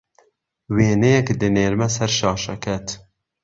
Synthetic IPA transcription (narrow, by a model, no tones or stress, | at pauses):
weːnɛjɛkd̪ɨneːɾmɛsɛɾʃɑːʃɛkʰɛt̪